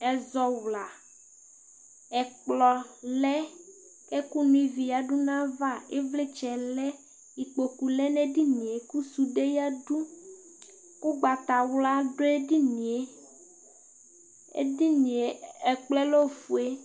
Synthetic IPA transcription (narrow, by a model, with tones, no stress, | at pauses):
ɛ˨zɔ˨wla˨ | ɛ˨k͡plɔ˨lɛ˦ | kɛ˦ku˦nũ˦i˨vi˨ja˨ɖu˦nã˦va˦˨e˦vle˦t͡ʃɛ˨lɛ˦ | i˨k͡po˨ku˨lɛ˦nɛ̃˦di˦nĩ˨e˨ku˦su˨ɖe˦ja˦ɖu˦ | ku˦ɡ͡ba˨t̪a˨wla˦ɖo˦e˦di˦nĩ˨e˦ | ḛ˦di˦nĩ˨e˨ɛ˨k͡plɛ˦lo˦fu˨e˦